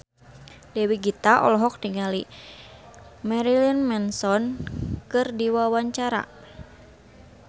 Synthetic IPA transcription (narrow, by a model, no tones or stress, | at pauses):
dɛwiɡit̪aʔɔ̰lɔɦɔk̚diŋali | mɛɾilinmɛnsɔnkɨrdiwawaɲt͡ʃaɾa̰